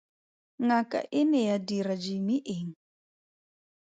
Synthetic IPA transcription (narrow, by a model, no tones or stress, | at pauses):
ŋakʼa̰ʔɪnɛjadiɾad͡ʒimiʔeŋ̩